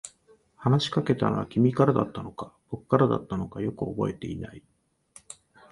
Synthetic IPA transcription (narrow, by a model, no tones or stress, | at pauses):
hanaɕi̥kake̞t̪a̰no̞̰βa̰kʲimʲikaɾad̪at̪ːano̞kab̥o̞kɯ̟̥kːaɾad̪a̰t̪ːano̞kajo̞kɯ̟o̞bo̞̰e̞t̪e̞̰ina̰i